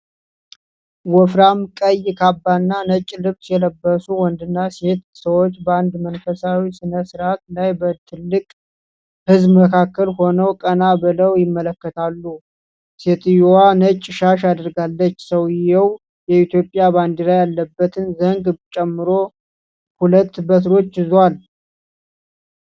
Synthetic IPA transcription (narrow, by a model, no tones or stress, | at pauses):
wɔfɾamkʼəjkʰabːanːanət͡ʃʼːlɨβsjɛləbːəsuwɔnd̪ɨnːase̞t̪səwo̞t͡ʃːbəand̪mənfəsawisɨnəsɨɾʔat̪lajbət̪ʰɨlːɨkʼ | hɨzbməkʰakːəlho̞nəwkʼənabɨləwjɪmːələkːət̪ʰalːu | se̞t̪ɨjowanət͡ʃʼːɪʃaʃad̪ɾɡalːət͡ʃːsəwjɪjɛw | jɛit̪ʰjo̞pʼːjaband̪iɾajalːəbːət̪ʰɨnzəŋɡt͡ʃʼɛmːɨɾo̞ | hulət̪ːbət̪ɾo̞t͡ʃːɪzwal